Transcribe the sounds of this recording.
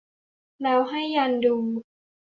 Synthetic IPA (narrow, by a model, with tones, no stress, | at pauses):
lɛː˧wɦa˥˩jːa˧ndu˧m